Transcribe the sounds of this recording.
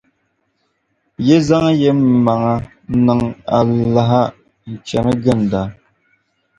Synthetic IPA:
je˦za˦ŋ˦je˦m˨ma˨ŋa˨˦ | nə˨ŋa˨la˨ɦa˦ | n̩˨t͡ʃɛ˨mə˦ɡə˦˨n˨da˨

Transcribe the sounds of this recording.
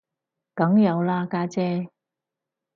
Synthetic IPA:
kɐ˨˥ŋjɐ˨˧wlaː˧kaː˧t͡sɛː˧

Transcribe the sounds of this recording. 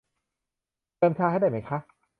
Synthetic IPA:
ɤː˧mt̪ʰaː˧ɦda˧˩jma˦˥jkʰa˦˥

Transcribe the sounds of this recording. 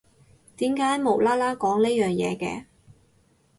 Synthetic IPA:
t̪iː˨˥mkaː˨˥jmo˨˩wlaː˥laː˥kɔː˨˥ŋneː˥jœː˨ŋjɛ̰ː˨˧kɛ̰ː˧

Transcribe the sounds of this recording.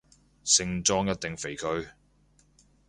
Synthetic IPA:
sɪ˧ŋt͡sɔː˥ŋjɐ˥t̚t̪ɪ˨ŋfe˨˩jkʰɵ˧ɥ

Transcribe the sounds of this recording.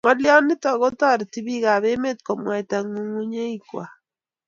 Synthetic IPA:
ŋɔ˦lɪ˦ɔ˦nɪ˦tɔ˨ɣɔ˦tɔ˦˨ɾti˦bi˦ɡa˨βe˦me˦t̚kɔ˨mwa˨ta˨ŋu˦ŋu˦ɲe˦i˦kwa̰˨

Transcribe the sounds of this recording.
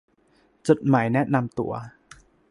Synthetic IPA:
t͡ɕo˨˩t̪̚maː˩˦jnɛ˦˥na˧mt̪ṵ˨˩˦ɐ

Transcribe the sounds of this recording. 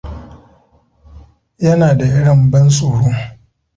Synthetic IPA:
jɐ˦naː˨da˨ʔɪ˦ɽɐ˦˨mbɐ˦nsʼoː˨ɽoː˦

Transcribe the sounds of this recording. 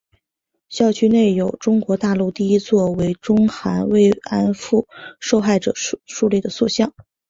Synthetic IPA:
ɕjɑ˥˩ʊt͡ɕʰy˥ne˥˩ɪjo˨˩ʊʈ͡ʂʊ˥ŋkwɔ˧˥t̪a˥˧lu˥˧t̪i˥˩˧i˥t͡swɔ˥˩we˧˥ɪʈ͡ʂʊ˥ŋxa˧˥nwe˥˩ɪa˥nfu˥˩ʂo˥˧ʊxa˥˩ɪʈ͡ʂɤ̰˨˩˥ʂu˥˧li˥˩d̪ə˩swɔ˥˧ɕjɑ˥˩ŋ

